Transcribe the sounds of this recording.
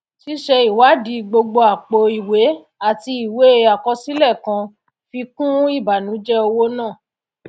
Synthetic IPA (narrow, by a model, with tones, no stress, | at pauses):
ʃi˦ʃɛ˧i˨wa˨˦di˨˦ɡ͡bo˧ɡ͡bo˧a˨k͡po˧i˨we˨˦ | a˦˨ti˧i˨we˨˦e˦a˨kɔ˧si˦lɛ˦˨kã˧ | fi˧kũ˦i˦˨ba˨nũ˨˦d͡ʒɛ˦o˧wo˦nãː˦˨